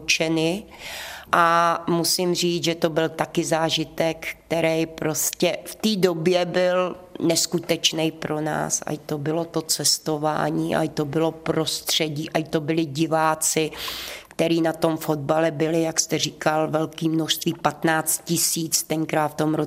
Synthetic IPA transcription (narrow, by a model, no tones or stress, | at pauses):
t͡ʃɛnɪ | ʔamusɪmr̝iːt͡sʒɛt̪o̞bɪlt̪akɪzaːʒɪt̪ɛkːkt̪ɛɾɛjpɾo̞scɛft̪iːdo̞bjɛbɪlnɛskut̪ɛt͡ʃnɛjpɾona̰ːsa̰ɪt̪obɪlo̞t̪o̞t͡sɛst̪o̞va̰ːɲiːʔa̰ɪt̪obɪlo̞pɾo̞st̪r̝̥ɛɟiːʔajt̪o̞bɪlɪɟɪvaːt͡sɪkt̪ɛɾiːnat̪o̞mfod̪̚balɛbɪlɪjakst̪ɛriːkalvɛlkiːmnoʃst̪viːpat̪naːt͡st̪̚cɪsiːt͡st̪ɛŋkɾaːt̪ft̪omɾo